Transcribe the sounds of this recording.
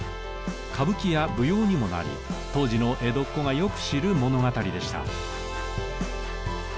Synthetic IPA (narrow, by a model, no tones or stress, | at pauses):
kʰabɯ̟kʲijabɯ̟jo̞ːɲ̟imo̞na̰ɾʲḭt̪o̞ːʑino̞ʔe̞d̪o̞kːo̞ɡajo̞kɯ̟̥ɕiɾɯ̟mo̞no̞ɡat̪aɾʲid̪e̞ɕi̥t̪a̰